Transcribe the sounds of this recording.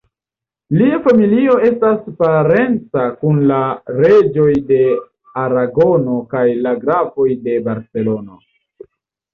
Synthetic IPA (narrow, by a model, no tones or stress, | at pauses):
liafamilio̞e̞staspaɾe̞nt͡sakunlaɾe̞d͡ʒo̞jde̞ | aɾaɡo̞no̞kajlaɡɾafo̞jde̞baɾse̞lo̞no̞̰